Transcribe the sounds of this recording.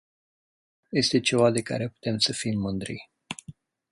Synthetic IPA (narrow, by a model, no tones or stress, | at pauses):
je̞st̪e̞t͡ʃe̞vad̪e̞ka̰ɾe̞pu̥t̪e̞msəfimːɨnd̪ɾḭ